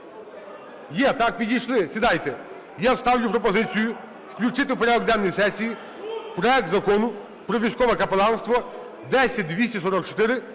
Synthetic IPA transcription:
jɛt̪ak̚pʲidʲijʃlˠɪsʲid̪ajt̪ɛ | jast̪ɑwlʲʊpɾɔpɔzɪt͡sʲijʊ | wklʲʊt͡ʃɪt̪ɪwpɔɾʲad̪ɔɡ̚d̪ɛnːɔjsɛsʲiji | pɾɔɛk̚t̪zɐkɔnʊ | pɾɔʋʲijsʲkɔʋɛkɐpelˠɑnst̪ʋɔ | d̪ɛsʲɐd̪ʲʋʲisʲisɔɾɔkt͡ʃɔ̥t̪ɪɾɪ

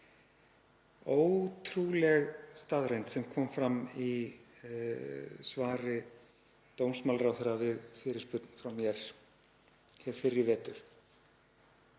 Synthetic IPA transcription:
oːwt̪ʰɾulɛɣst̪aːðɾejnt̪sɛmkʰɔːmfɾami | svaːɾɪ | t̪ownsmalrawθɛɾavɪðfɪːɾɪ̥spʏt̪n̥fɾawmjɛɾ̥ | çɛɾ̥fɪrːɪvɛːt̪ʏɾ̥

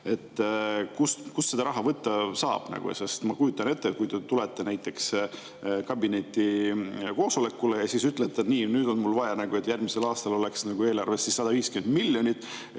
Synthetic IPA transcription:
e̞t̪ːkuskusːe̞d̪ɑɾɑɦɑvɤt̪ːɑsɑːb̥nɑ̰ɡ̥ṵj̰sest̪mɑkujut̪ːˑɑne̞t̪ːeːt̪̚kujd̪e̞t̪ulet̪ːˑenæjt̪ːˑe̞ks | kɑbine̞t̪ːiko̞ːso̞le̞kːulejɑsisyt̪ˑlet̪ːˑeniːnyːd̪o̞nmulvɑjɑnɑɡ̥ue̞t̪jærmise̞lɑːst̪ɑlo̞le̞ksnɑɡue̞ːlɑrvesːisːɑd̪ɑviːskymend̪miljo̞nʲit̪ːˑ

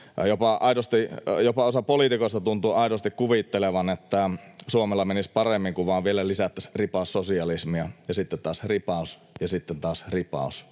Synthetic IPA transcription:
jopɑʔɑidost̪ijopɑosɑpolit̪ikoest̪ɑt̪unt̪uːɑidost̪ikkuʋit̪ːeleʋɑnet̪ːæsuomelːɑmenispɑremːiŋkuʋʋɑːʋʋielælisæt̪ːæsripɑˑussosiɑlismiɑjɑsit̪ːent̪ɑːsripɑˑus | jɑsit̪ːent̪ɑːsripɑ̰ˑus

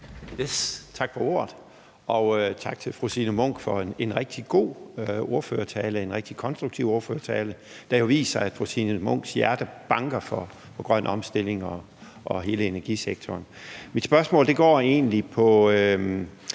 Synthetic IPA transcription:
jest͡sʰɑ̈ɡ̥fɒo̝̰ɐ̰ð̥̩ˠ | ʔɒ̽øt͡sʰɑ̈ɡ̥̚t͡sʰe̝lfʁusinəmɔ̽ŋ̰ɡ̥fɒ̽ene̝nʁɛɡ̥̚d̥iɡ̥o̝̰ːøo̝ɐfø̰ːɐt͡sʰɛːləe̝nʁɛɡ̥̚d̥ikʰɒ̽nsd̥ʁuɡ̥̚t͡sʰiʊ̰o̝ɐføːɐt͡sʰɛːlə | d̥æ̈jo̝ʋḭːsɐæd̥fʁusinəmɔ̽ŋ̰ɡ̥sjæɐd̥əb̥ɑ̈ŋɡ̥ɐfɒ | fɒ̽ɡ̥ʁɶnʔɒ̽msd̥el̰e̝ŋɒ | ʔɒɦe̝ːləe̝næɐɡ̥iseɡ̥̚t͡sʰɒːnmid̥sb̥ɶɐsmɔ̽ːld̥e̝ɡ̥ɒ̰ːe̝̰ːnlipʰɒ̽

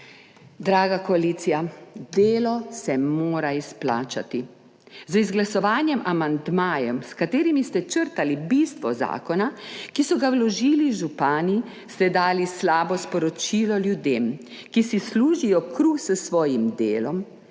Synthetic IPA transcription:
d̪ɾaːɡakɔaliːt̪sijad̪eːlɔsɛmoːɾaispla̰ːt͡ʃa̰t̪i | zizɡlasɔʋaːnjɛmʔamand̪maːjɛmskat̪eːɾimist̪ɛt͡ʃəɾt̪alibist̪ʋɔza̰ːkɔnakisɔɡawlɔʒiːliʒupaːni | st̪ɛd̪aːlislaːbɔspɔɾɔt͡ʃiːlɔljud̪eːm | kisisluːʒijɔkɾuːxsəsʋɔːjimd̪eːlɔm

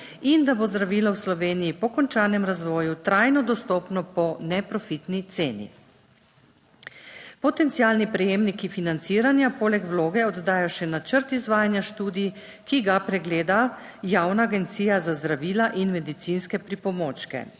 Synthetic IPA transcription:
ind̪abozd̪ɾaʋiːlawslɔʋeːnijːpɔkɔnt͡ʃaːnɛmɾazʋɔːjut̪ɾajnɔd̪ɔst̪ɔpnɔpɔnɛpɾɔfit̪nit̪seːnḭ | pɔt̪ɛnt̪siaːlnipɾɛjeːmnikifinant̪siːɾanjapoːlɛkwloːɡɛɔd̪d̪aːjɔʃɛnat͡ʃəɾt̪izʋaːjanjaʃt̪uːd̪ij | kiɡapɾɛɡleːd̪a | jaːwnaːɡɛnt̪siːjazazd̪ɾaʋiːlaʔinmɛd̪it̪sinskɛpɾipɔmoːt͡ʃkɛ̰

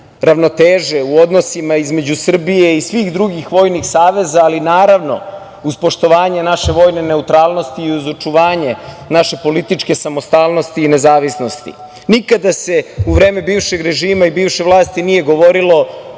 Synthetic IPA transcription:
ɾaʋno̞t̪eːʒe̞uod̪nosimaizme̞d͡ʑusr̩bijeisʋiːxd̪ɾuɡixʋo̞ːjnixsaːʋe̞zaːlinaːɾaʋno̞̰ | uzpo̞ʃt̪o̞ʋaːɲe̞naʃe̞ʋo̞ːjne̞ne̞ut̪ɾaːlˠno̞st̪iːuzot͡ʂuʋaːɲe̞ | naʃe̞po̞lit̪it͡ʃke̞samo̞st̪aːlˠno̞st̪iːnezaːʋisno̞st̪ḭ | nikad̪ase̞uʋɾeːmebiːvʃeɡɾe̞ʒiːmaibiːvʃevlˠaːst̪inije̞ɡo̞ʋo̞ɾilo̞

